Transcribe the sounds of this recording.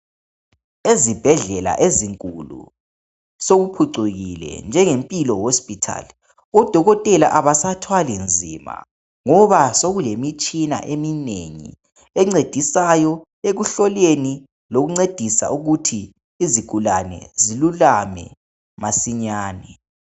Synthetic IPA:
ezib̥ʱɛɮɛla̰ʔeziŋkʼulṵ | soɣupʰuǀeɣilɛ̰nd͡ʒʱɛŋempʼilɔhospʼitʰa̰li | ɔd̥ʱɔɣɔtʼɛlaʔaβasatʰwalind͡zʱima̰ | ŋɔβasoɣulemit͡ʃʼina̰ʔeminḛŋḭ | ɛŋ͡ǀed̥ʱisajɔ | eɣuɬɔleni | loɣuŋ͡ǀed̥ʱisa̰ʔuɣutʰiː | ziɡ̥ʱulanɛ̰zilulamɛ̰ | masiɲaːnɛ

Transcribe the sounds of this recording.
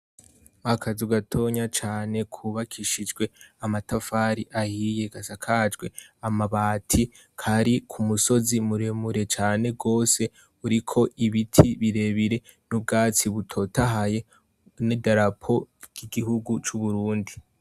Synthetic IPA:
akʰazuɡatʰo̞ɲat͡ʃaːne̞kʰuβakʰiʃid͡ʒɡwe̞amatafaːɾiʔahije̞ɡasakʰad͡ʒɡwe̞amaβaːtʰi | kʰaɾikʰumuso̞zimuɾemuɾe̞t͡ʃaːne̞b̚ɡo̞ːse̞ | uɾikʰo̞ʔiβitʰiβiɾe̞βiɾe̞ | nub̚ɡaːt͡siβutʰo̞taɦaje̞ | nidaɾapʰo̞ɟ̥iɡihuɡut͡ʃuβuɾuːndi

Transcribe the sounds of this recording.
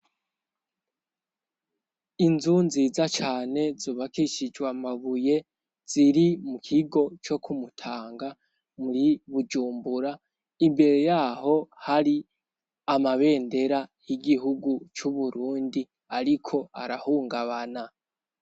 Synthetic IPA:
inzunziːzat͡ʃaːne̞zoːβakiʃid͡ʒwamaβuje | z̥iɾimukʰiɡo̞t͡ʃo̞kʰumutʰaːŋɡa | muɾiβud͡ʒuːmbuɾa | imbe̞ɾe̞jaːho̞haɾi | amaβe̞ːnde̞ɾajiɡiɦuɡut͡ʃuβuɾuːndi | aɾikʰo̞aɾahuːŋɡaβana

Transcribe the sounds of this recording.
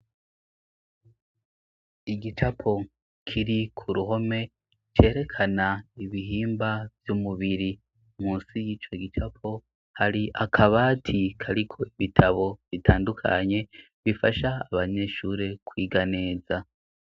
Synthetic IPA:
iɡit͡ʃapʰo̞ | kʰiɾikʰuɾuɦo̞me̞ | t͡ʃe̞ːɾe̞kʰanaiβiɦiːmbavjumuβiɾi | muːnsijiːt͡ʃo̞ɡit͡ʃapʰo̞ | haɾiʔakʰaβaːtʰikʰaɾikʰo̞iβitʰaβo̞βitʰaːndukʰa̰ɲe̞ | βifaʃaaβaɲe̞ːʃuːɾe̞kwiːɡane̞ːza

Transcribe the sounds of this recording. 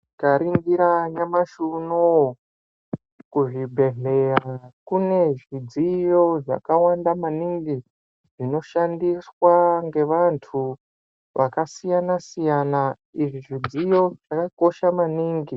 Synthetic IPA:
kaɾiŋɡiɾaɲamaʃuno | kuʐibʱe̞ɦe̞rakune̞ʐid͡zijo̞ʐa̰kawandamaniŋɡi | ʐ̥ino̞ʃandiswaŋɡe̞ʋantʰu | ʋʔakasijanasijana | iʐiʐid͡zijo̞ʐakako̞ʃamaniːŋɡi

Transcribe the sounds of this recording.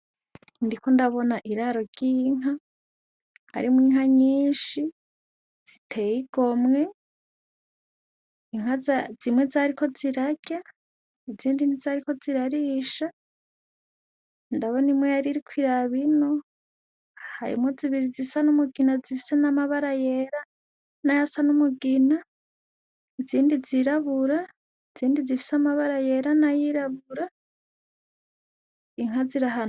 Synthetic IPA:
ndiko̞ndaβo̞naʔiɾaɾo̞ɟiːŋɦa | ha̰ɾimwiːŋaɲiːnʃi | z̥itʰe̞jiɡ̥o̞mŋe̞ | iŋ̥azazimwe̞zaɾikʰo̞ziɾaɡ̥a | eziːndinizaɾiko̞ziɾaɾiːʃa | ndaβonimwejaɾiɾikʰʷwiɾaβino | ha̰ɾḭmoziβiɾizisanumuɡinazifi̥senamaβaɾajeɾa | najasanumuɡina | eziːndiziɾaβuɾa | eziːndizifi̥samaβaɾaje̞ɾanajiɾaβuɾa | iŋ̥aziɾaɦano

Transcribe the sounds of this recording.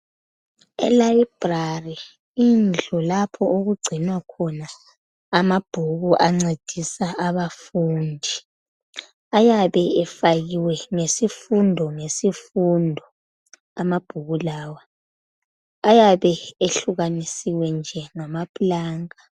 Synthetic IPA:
ɛ̰laib̥rari | ind͡ɮʱɔlapʰɔoɣuɡ͡ǀʱinwakʰɔnaː | mab̥ʱuɣuʔaŋ͡ǀed̥ʱisaʔaβafuːndʱi | ajaβɛɛfaɣiwɛŋesifundʱɔŋesifundʱɔ | amab̥ʱuɣulaːwa | jaβɛeɬuɣanisiwɛnd͡ʒʱɛŋamapʰʼulaːŋa

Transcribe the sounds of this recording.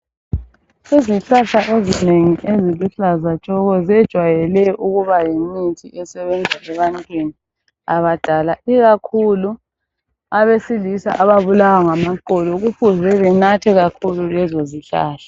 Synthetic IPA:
siziɬaɬaʔezineŋiʔeziluɬazat͡ʃʼɔɣɔzɛd̥ʒ̥ʱwajɛlɛʔuɣuβajemitʰiʔɛsɛβɛnd͡zʱaʔɛβantʼweni | aβad̥ʱalaiɣakʰulu | aβesilisa̰ʔaβaβulawaŋamaǃɔlɔɣufuzɛβɛnatʰɛɣakʰululɛzɔziɬa̰ːɬḁ

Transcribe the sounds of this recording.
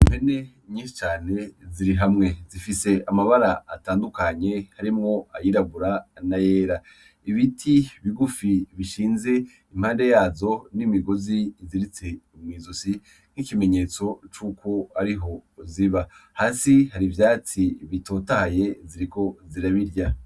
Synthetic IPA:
mene̞ | ɲiːʃi̥t͡ʃaːne̞ziɾiɦamŋe̞zifise̞amaβaɾaːtaːndukaɲe̞haɾimŋo̞ajiɾaβuɾanaje̞ːɾa | iβitʰiβiɡufiβiʃiːnze̞ | im̥haːnde̞jaːzo̞nimiɡo̞ziziɾit͡se̞umŋiːzusi | n̥hikime̞ɲe̞ːt͡so̞t͡ʃuːkʰo̞aɾiɦo̞ziβahaːsihaɾivjaːt͡siβito̞ːtahaje̞ziɾiko̞ziɾaβiɾja

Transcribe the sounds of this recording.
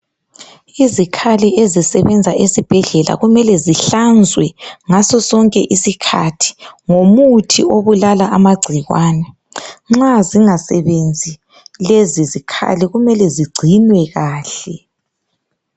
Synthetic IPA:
izikʰaliʔezisɛβɛnd͡zʱaʔesib̥ʱɛɮɛla̰ɣumɛlɛziɬand͡zʱwɛŋasɔsɔŋkʼɛʔisikʰa̰tʰi̥ŋomutʰḭoβulalaʔamaɡ͡ǀʱiɣwaːnɛ | ŋ͡ǁaziŋasɛβend͡zʱi | lezizikʰa̰liɣumɛlɛziɡ͡ǀʱinwɛɣaːɬɛ

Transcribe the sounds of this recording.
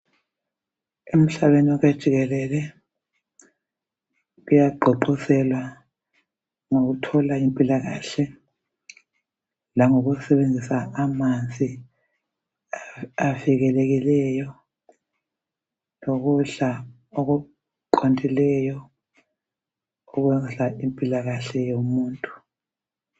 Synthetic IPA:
em̩ɬaβeniɔɣad̥ʒ̥ʱiɣɛlɛlɛ | ujaǃʱɔǃɔsɛlwa | ŋoɣutʰɔlaimpʼilaɣa̰ːɬɛ | laŋoɣusɛβend͡zʱisaːmand͡zʱi | aviɣɛleɣilɛjɔ | loɣ̬uɬa | oɣu | ǃontʼilɛjɔ | uɣwɛzaimpʼilaɣaɬɛjomuːntʼu̥

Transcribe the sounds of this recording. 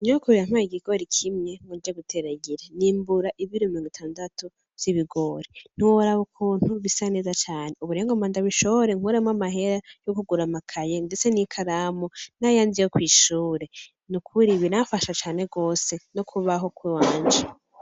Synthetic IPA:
ɲokuβiɾam̥aiɡiɡ̥o̞ɾikʰimŋe̞ŋud͡ʒeɡutʰe̞ɾaɡiɾeniːmbuɾaʔiβiɾomiɾoŋɡitʰaːndatu | z̥iβiɡo̞ɾin̥iwoɾaβokʰun̥uβisane̞ːzat͡ʃaːne̞uβuɾeːŋɡomaːndaβiʃo̞βoɾe̞ŋ̥uɾemamaɦe̞ɾajokuɡuɾamakʰajendet͡se̞nikʰaɾamonajaːnzijokwiːʃuːɾe̞ | nukʰuɾiβinafaʃat͡ʃaːne̞ɡo̞ːse̞nokʰuβaɦo̞kwiwaːnd͡ʒa

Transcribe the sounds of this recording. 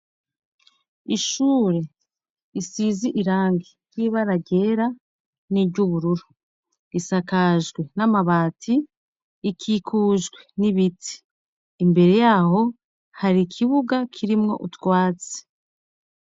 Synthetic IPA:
iʃuːɾe̞ | isiːziʔiɾaːŋɡijjiβaɾaɟe̞ɾa | niɟuβuɾuɾu | isakaʒɡwe̞namaβaːtʰiː | kʰikʰuːʒɡwe̞niβiti̥ː | mbe̞ɾe̞jaːho̞ | haɾikʰiβuɡakʰiɾimŋo̞̰ʔutwaːt͡se̥

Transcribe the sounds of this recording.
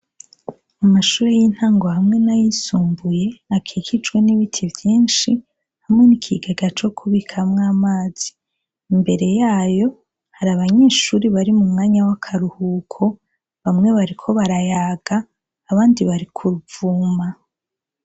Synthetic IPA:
amaʃuːɾejin̥haːŋɡo̞hamŋe̞najisuːmbuje̞akʰikid͡ʒɡwe̞niβitʰivjiːnʃi | hamŋe̞nikʰiɡeɡat͡ʃo̞kʰuβikʰamŋaːmaːz̥iː | mbe̞ɾe̞jaːjo̞ | haɾaβaɲe̞ːʃuːɾiβaɾimumŋaːɲawakʰaɾuhuːkʰo̞ | βamŋe̞βaɾikʰo̞βaɾajaːɡ̥aː | βaːndiβaɾikʰuɾuvuma

